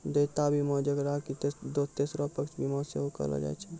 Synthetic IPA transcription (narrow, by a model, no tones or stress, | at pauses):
d̪et̪abʱimɔd͡ʒəɡɾakit̪d̪ot̪esɾopəkt͡ʃʰbʱimɔseɦokə̰lɔ̰d͡ʒa̰jt͡ʃʰɛ